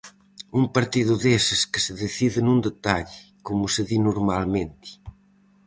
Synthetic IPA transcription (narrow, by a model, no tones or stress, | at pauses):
umpɐɾt̪iðuðesəskəsəðeθiðɪnund̪et̪aʎ | kumusəðinuɾmalmẽnt̪i̥